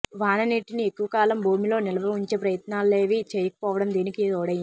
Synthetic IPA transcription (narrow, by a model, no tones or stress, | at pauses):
ʋaːnɐneʈːinie̞kːuʋɐkaːlɐmbʱuːmilo̞ːnilɐʋɐuɲt͡ʃe̞ːpɾɐjɐt̪naːlle̞ːʋit͡ʃeːjɐkɐ̥pɔːʋɐɽɐmd̪eːnikiɔːɽɐji